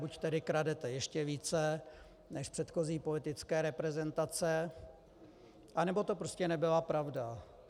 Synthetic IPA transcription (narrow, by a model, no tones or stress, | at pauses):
buct̪ɛdɪkɾadɛt̪ɛjɛʃcɛviːt͡sɛ | nɛʃpr̥ɛt̪xo̞ziːpo̞lɪt̪ɪt͡skɛːɾɛpɾɛzɛnt̪at͡sɛ | ʔanɛbo̞t̪o̞pɾoscɛnɛbɪlapɾavda